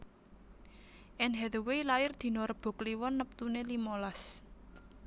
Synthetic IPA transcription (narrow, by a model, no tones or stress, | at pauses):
ʔɛnɦɛðwejlaɪrd̪̥i̤nɔɾɔb̥ɔ̤kliwɔnːəp̚t̪unelimolas